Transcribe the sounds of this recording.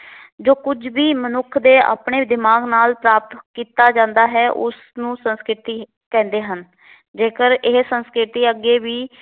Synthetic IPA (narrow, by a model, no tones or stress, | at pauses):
d͡ʒoːkʊd͡ʒbiːmənʊkʰd̪eːa̰ːpɳeːd̪ɪmaːɡnaːlpɾaːp̚t̪kiːt̪aːd͡ʒãːnd̪aːɦɛːʔʊ̰s | nũːsənskɾɪt̪iː | kɛ̃ːnd̪eːɦən | d͡ʒeːkəɾɪɦsənskɾɪt̪iːəɡːeːʋiː